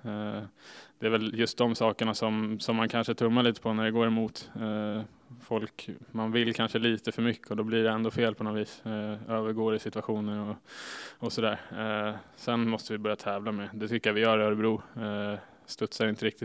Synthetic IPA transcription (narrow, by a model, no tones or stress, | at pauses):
d̪̥ɛæɾvɛljɵst̪̚d̪ɔmsɑːkəɳasɔmsɔmːankʰanʂət̪ʰɵmːaɭiːt̪ə̥pʰɔnæɖɛɡoːɾɛmuːt̪ | fɔlkmanvɪlːkʰanʂəliːt̪əfœɾmʏkːəɔd̪ɔblɪɖɛɛnd̪oːfeːlpʰɔnɔt̪viːsøːvəɾɡoːɾɪsɪt̪vaɧuːnəɾɔ | ɔsɔd̪æːɾ | sɛnmɔst̪əvɪbœɾjat̪ʰɛːvlamɛd̪ɛt̪ʰʏkːəjavɪjœːɾœɾbɾuː | st̪ɵt̪saɾɪnt̪əɾɪk̚t̪ɪt̪